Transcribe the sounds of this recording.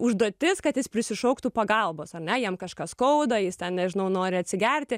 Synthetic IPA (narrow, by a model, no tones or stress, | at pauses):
ʊʒd̪oːt̪ʲɪskɐt̪jɪspʲɾʲɪsʲɪʃɔʊkt̪uːpɐɡɐlˠboːsɐrʲnʲɛjiɛmkɐʃkɐskɐʊd̪ɐjɪst̪ʲɛnnʲɛʒʲɪnɐʊnoːɾʲɪɐtʲsʲɪɡʲɛrʲt̪ʲɪ